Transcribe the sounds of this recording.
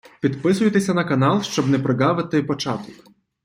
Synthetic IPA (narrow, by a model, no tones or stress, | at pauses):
pʲid̪pɪs̬ʊjet̪esʲɐnɐkɐnɑlˠʃt͡ʃɔbnɛpɾɪɡɑʋɪt̪ɪpɔt͡ʃɑt̪ɔk